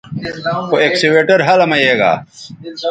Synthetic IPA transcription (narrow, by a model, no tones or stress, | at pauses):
xoekseweːʈɐɾɦɐlɐmɐjeːɡa̰ː